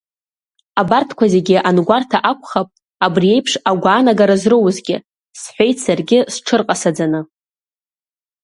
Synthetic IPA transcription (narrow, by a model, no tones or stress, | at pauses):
abartʰkʷʰaze̞ɡʲɪʔanɡʷartʰaʔakʷʰʼχapʼ | abrije̞jpʰʂaɡʷaːnaɡaɾazrɨwzɡʲɪ | sħʷe̞jtʰsarɡʲɪsʈ͡ʂʰɨrqʼasad͡zanɨ